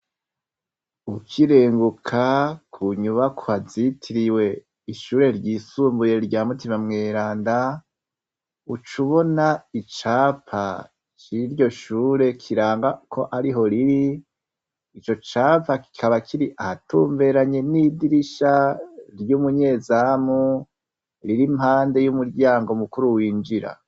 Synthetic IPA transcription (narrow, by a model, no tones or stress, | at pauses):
ukʰiɾe̞ːŋɡukʰakʰuɲumakʰohazitʰiɾiwe̞ | iʃuːɾe̞ɾɟiːsuːmbuje̞ɾɟaːmutimamŋe̞ːɾaːnda | ut͡ʃuβo̞nait͡ʃaːpʰa̰ | t͡ʃiɾɟo̞ʃuːɾe̞kʰiɾaːŋɡakʰo̞ʔaɾiɦo̞ɾiɾi | t͡ʃo̞t͡ʃaːpaki̥kʰaβakʰiɾiʔahatuːɱve̞ɾaɲe̞nidiɾiʃaɾjuːmuɲe̞ːzamu | ɾiɾimhaːnde̞jumuɾɟaːŋɡomukuɾuwiːnd͡ʒiɾa̰